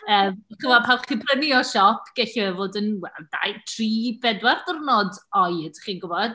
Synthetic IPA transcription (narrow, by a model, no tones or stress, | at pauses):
əːmχəvɔpʰalˠχipʰrəniɔʃɔpʰɡ̥ɛɬivɛvoːdənwɛ̰lda̰jtʰriːbɛdwɛrdərnɔdɔjədʰχiːnɡʊvɔd̥